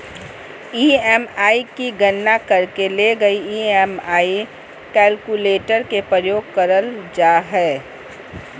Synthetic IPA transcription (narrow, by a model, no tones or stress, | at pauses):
iːɛːmaːikiɡənːakɐɾkeleɡɐiiːɛmaːi | kɛːlkuleːʈəɾkepɾəjoːɡ̚kɐɾəld͡ʒaːɦɛː